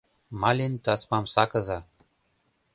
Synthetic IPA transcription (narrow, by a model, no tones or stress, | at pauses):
mɑlʲent̪ɑsmɑmsɑkɤ̆zɑ